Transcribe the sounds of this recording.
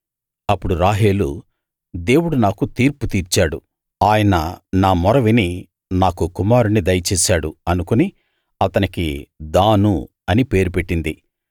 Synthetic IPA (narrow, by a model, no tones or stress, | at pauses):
ɐpːuɽuɾaːɦeːlṵ | d̪e̞ːwuɽunaːkut̪iːɾput̪iːɾt͡ʃaːɽu | aːjɐnɐnaːmɔɾɐʋini | naːkukumaːɾunid̪ɐjt͡ʃɛːsaːɽuɐnukuni | ɐt̪ɐnikḭd̪aːnu | ɐnipe̞ːɾupeʈːind̪i